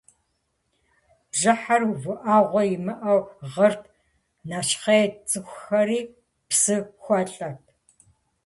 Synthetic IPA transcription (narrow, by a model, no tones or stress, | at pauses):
ʒɨħarvʷʊʔaːʁʷɔjɪmɨʔɐwʁɐrtʰ | naːʃqeːt͡sʼɨxʷxɐɾiː | psɨxʷɔɬʼɐtʰ